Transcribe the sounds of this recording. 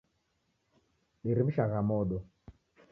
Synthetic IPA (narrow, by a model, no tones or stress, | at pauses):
ɗiɾim̩ʃaɣamɔɗɔ